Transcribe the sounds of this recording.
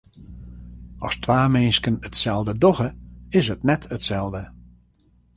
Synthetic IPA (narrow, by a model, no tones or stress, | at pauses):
ɔ̰stʰwaːmenskənətsɛlˠdədɔɣəɪsətnɛtʰətsɛlˠdə